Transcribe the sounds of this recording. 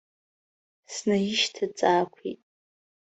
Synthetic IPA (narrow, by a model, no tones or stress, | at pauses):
snajiʃtʰat͡sʼaːkʷʰḭtʼ